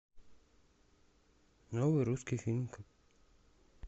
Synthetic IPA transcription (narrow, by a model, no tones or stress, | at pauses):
nɔwiɾuskifilmk